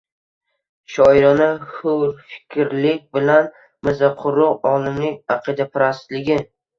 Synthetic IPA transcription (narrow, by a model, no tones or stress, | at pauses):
ʃɒjɪɾɒnahʊɾfɪ̥kʲʰɾlɪk̚ʲbɪlan | mɪzaqʰʊɾːʊqɒlˠɪmlɪŋʲaqʰɨd̪apʰɪɾast̪lɪɡʲɪ